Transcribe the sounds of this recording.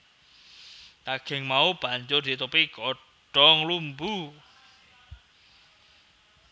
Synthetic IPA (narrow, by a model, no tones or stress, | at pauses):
t̪aɡ̥ɛ̤ŋmaub̥a̤ɲd͡ʒord̪̥i̤t̪upikɔ | ɖ̥ɔŋlumbu